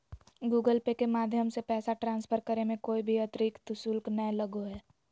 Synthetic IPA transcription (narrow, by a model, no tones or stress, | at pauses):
ɡuːɡəlpekemaːd̪ʱjəmsepɛːsaʈɾãːnspʰəɾkəɾemẽkoːibʱiɐt̪ɾiːkt̪ʊsʊlknələɡoɦɛː